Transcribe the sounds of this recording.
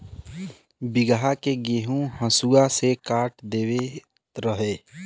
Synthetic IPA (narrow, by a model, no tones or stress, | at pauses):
bɪɡəɦakeɡeːɦũhə̃suasekaːʈd̪eːwe | ɾəɦeː